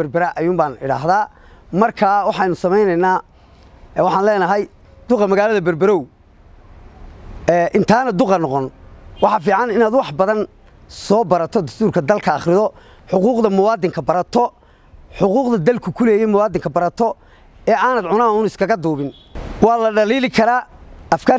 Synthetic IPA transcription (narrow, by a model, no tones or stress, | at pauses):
ɐrbɐɾɐʔɐjʊːmbaːnɪɽa̰ːɦðaː | mɐrkʰaːwɑħɑjnʊsɐmɛjnɛjnaː | wɑħɑːnlɛːnɐɦɛj | d̪̥ʊqɑmɐɣaːlɐðɐbɐrbɐɾɔw | ɛːʔɪnt̪ʰaːnɐd̪ʊqɑnɔqɔnwɑħɑːfiːʕɑnɪnaːd̪wɑħbɐðɐn | sɔːbɐɾɐt̪ʰɔd̪ɐst̪ʰuːrkʰɐd̪ɐlkʰɐːχrɪðɔ | ħʊquːqðɐmʊwɑːd̪ɪŋkʰɐbɐɾɐt̪ʰɔ | ħʊquːqðɐd̪ɐlkʰʊkʰʊlɛːjɛjmʊwɑːd̪ɪŋkʰɐbɐɾɐt̪ʰɔ | ɛːʔaːnɐːd̪ʕʊnaːʊnɪskʰɐɣɐd̪uːβɪn | wɑːlɐɖɐliːlɪkʰɐɾaːɐfkʰaː